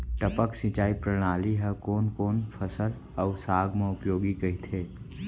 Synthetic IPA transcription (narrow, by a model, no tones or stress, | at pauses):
ʈəpəksit͡ʃaːipɾəɽ̃aːliɦɛkoːnkoːnpʰəsəl | ɔʊsaːɡmẽʊpjoːɡikɐit̪ʰeː